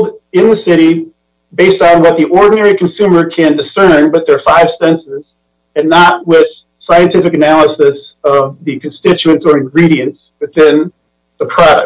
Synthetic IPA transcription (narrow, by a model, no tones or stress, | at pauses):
dɪ̃nðɨsɪɾi | beɪstn̩wʌt̪̚ðiʔɔɹdⁿn̩ɛɹikʰn̩sʉ̃mə˞kʰɨ̃ndɨsɜ̃˞nbʌt̪̚ðə˞faɪv̥sɛ̃nsɪz̥ | ɨ̃nːət̚wɪð̥ | saɪɨ̃ntʰɪfɨkɨnælˠəsɪsʌvðɨkʰn̩stɪt͡ʃʉɨ̃nsə˞ɨ̃nɡɹiɾiɨ̃ns | wɨθɪ̃n | ðəpʰɹ̥ɑɾɨ̰